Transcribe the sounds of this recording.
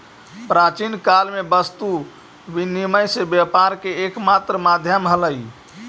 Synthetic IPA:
pɾat͡ʃinkalmebəst̪u | biniməjsebjəpaɾkeːkmat̪ɾəmad̪ʱjəmɦələj

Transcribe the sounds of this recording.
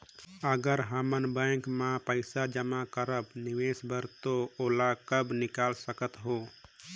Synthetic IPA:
əɡəɾɦəmənbə̃ŋkmãpəɪsad͡ʒəmakəɾəbniʋesbʱəɾt̪ooːlakəbnɪkaːlsəkət̪ɦoː

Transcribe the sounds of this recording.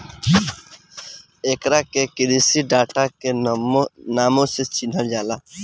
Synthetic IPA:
eːkɾakekɪɾisiɖaːʈake | naːmõset͡ʃin̤əld͡ʒaːlaː

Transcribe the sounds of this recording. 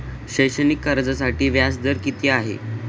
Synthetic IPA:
ɕəjɕənikːəɾd͡zasaʈiːʋjasd̪əɾkit̪iːaɦḛ

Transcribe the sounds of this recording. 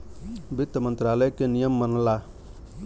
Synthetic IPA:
bɪt̪ːəmənt̪ɾaləjkenijəmːənla

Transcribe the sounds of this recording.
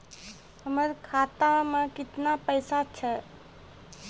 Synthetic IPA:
həməɾkʰaːt̪amãkɪt̪napəɪsat͡ʃʰɛ

